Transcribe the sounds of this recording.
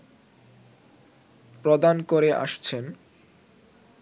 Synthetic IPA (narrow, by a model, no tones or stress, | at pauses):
pɾod̪ankoɾeʔa̰ʃt͡ɕʰen